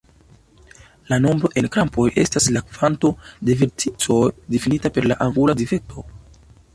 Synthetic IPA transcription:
lano̞mbɾo̞ʔe̞nkɾampʰo̞je̞̰staslakv̥anto̞de̞veɾtʰit͡so̞jdifinitape̞ɾlaʔaŋɡuladife̞k̚tʰo̞

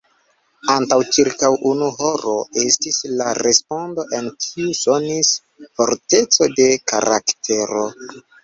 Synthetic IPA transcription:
antawt͡ʃiɾkawʔunuɦo̞ɾo̞e̞stislaɾe̞spo̞ndo̞ʔe̞nkʰiuso̞nis | fo̞ɾte̞t͡so̞de̞ka̰ɾa̰ktʰe̞ɾo̞

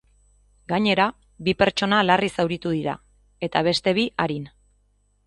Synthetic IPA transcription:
ɡaɲe̞ɾa | βipe̞ɾt͡ʃo̞nalarisawɾit̪uðiɾa̰ | e̞t̪aβ̞e̞st̪e̞β̞iʔaɾin

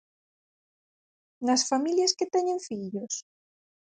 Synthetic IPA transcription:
nasfamiljasket̪ɛɲeɱfiʎos

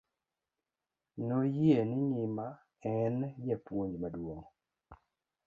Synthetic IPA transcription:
nojenɪnɪma | ɛnjɛpwoɲd͡ʒmadwoŋ

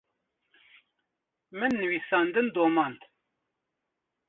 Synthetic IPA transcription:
mɨnːɨwiːsɑːnd̪ɨnd̪oːmɑnd̪

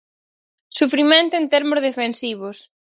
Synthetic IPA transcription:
sufɾimẽnt̪ʊẽnt̪eɾmʊzðefensiβʊs

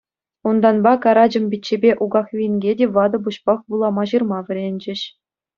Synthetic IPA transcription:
und̪ɑnbɑkɑɾɑd͡ʑɤ̆mbʲitʲt͡ɕːebʲeʔuɡɑχʋʲinʲɡʲedʲeʋɑd̪ɤ̆buɕpɑχbulˠɑmɑʑɯrmɑʋʲɘ̆ɾʲenʲd͡ʑɘ̆ɕ

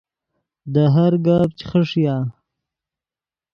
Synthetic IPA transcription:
d̪əɦaɾɡab̚t͡ʃi̥χəʂja

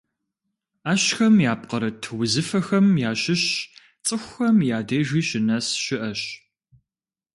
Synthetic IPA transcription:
aːɕxɐmjaːp̚qɐɾɐtʰwʊzɨfɐxɐmjaːɕɪɕ | t͡sʼɨxʷxɐmjaːdeːʒiːɕɪnɐsɕɪʔɐɕ

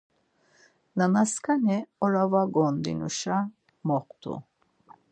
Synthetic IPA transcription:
nanaskʰanɛɔɾavaɡɔnd̪ḭnṵʃa | mɔχt̪ʰṵ

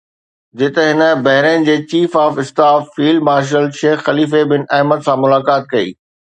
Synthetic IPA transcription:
d͡ʑɪt̪̆ɦɪnə̆bɐɦɪɾenɪ̆d͡ʑeːt͡ɕiːfaːfɪst̪aːfːiːlmaːɾʃ̬əlʃeːxːɐliːfebɪnɛɦməd̪sãmʊlaːkaːt̪̚kɐḭː

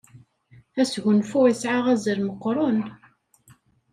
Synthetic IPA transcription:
æsʝʊnfʊisʕaʁæzəɾməqːɾˤʊn

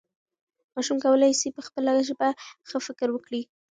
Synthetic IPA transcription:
mɑʃumkawəlajsipəxpəlaɡaʒəbaxəfɪkɾwəkɽi

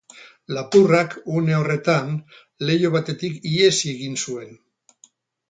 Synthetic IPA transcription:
lapurakune̞o̞re̞t̪an | le̞joβ̞at̪e̞t̪ikie̞sie̞ɣinsue̞n

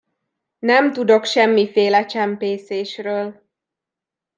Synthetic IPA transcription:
nɛmt̪ud̪o̞kʃɛmːifeːlɛt͡ʃɛmpeːseːʃrøːl

